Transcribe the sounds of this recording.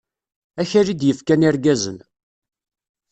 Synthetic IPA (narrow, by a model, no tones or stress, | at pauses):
æçaɾid̪jəfkæniɾɡæzən